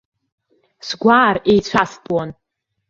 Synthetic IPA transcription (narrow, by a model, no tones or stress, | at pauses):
sɡʷaːrejt͡sʷʰasbʼwan